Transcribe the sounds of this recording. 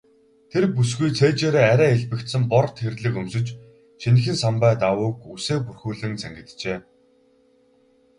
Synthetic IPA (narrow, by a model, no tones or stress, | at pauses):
t̪ʰerpus̬ɡujt͡sʰeːt͡ɕeːɾeːæɾʲæːeɮpɘ̆kt̪sɘ̆mpɔrt̪xerɮɘ̆kɵmsɵ̆t͡ɕ | t͡ɕʰen̆xɘ̆nsampæːt̪awʊːkuseːpurxuːɮɘ̆ŋt͡sʰæŋɡʲɪ̆t̪t͡ɕeː